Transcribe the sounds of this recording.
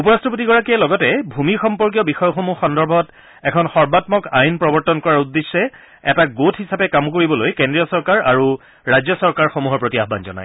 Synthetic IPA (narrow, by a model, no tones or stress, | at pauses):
upɔɹastɔp̬otiɡɔɹakijɛlɔɡɔtɛbʱumixɔmpɔɹk̬ijɔbixɔjɔxomuxɔndɔɹbʱɔt | ɛkʰɔnxɔɹbatmɔkajnpɹɔbɔɹtɔnkɔɹaɹudːesːɛ | ɛtaɡotʰhisapɛkamkoɹibɔlojkendɹijɔsɔɹkaɹa̰ɹu | ɹajd͡ʑjɔsɔɹkaɹxomuɦɔɹpɹotiaxba̰nzɔ̰na̰j